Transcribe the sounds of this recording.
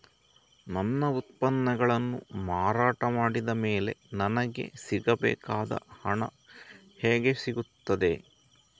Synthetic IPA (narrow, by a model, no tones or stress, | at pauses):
nɐnːɐut̪̚pɐnːɐɡɐɭɐnːṵmaːɾaːʈɐmaːɽid̪ɐmeːle̞̰nɐnɐɡe̞̰siɡɐbɛ̰ːkaːd̪ɐ̰hɐɳɐ̰ | hɛːɡe̞siɡut̪ːɐd̪e̞